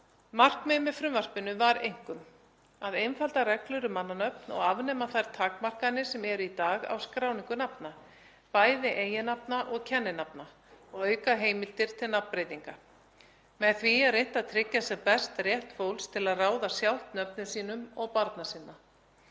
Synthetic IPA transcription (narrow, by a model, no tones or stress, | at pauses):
mar̥kmɪmɪfɾʏmvar̥pɪnːʏvaɾejŋ̥kʏm | aðejnfalt̪aɾɛklʏɾʏmanːanœpnɔ̰ɣavnɛːmaθajɾ̥t̪ʰaːkmar̥kanːɪsɛmɛɾʏit̪aːɣa̰wskɾaːwniŋkʏnapna | paːjðɪʔeːjɪnapnaʔɔɣcʰɛnːɪnap̚na | ɔɣœːɥkaɦeːjmɪlt̪ɪɾ̥t̪ʰɪlnappɾejt̪iŋka | mɛðθviarejn̥t̪aðt̪ʰɾɪcːasɛmpɛst̪rjɛht̪fowlst̪ʰɪlaðraːwðasjawh̪t̪nœpnʏsiːnʏmɔɣpaɾt̪nasɪnːa